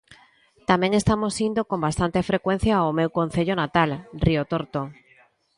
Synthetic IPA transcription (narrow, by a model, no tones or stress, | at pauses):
t̪amẽŋest̪amosind̪okombast̪ant̪efɾekwen̟θjaomewkon̟θeʎonat̪alriot̪oɾt̪o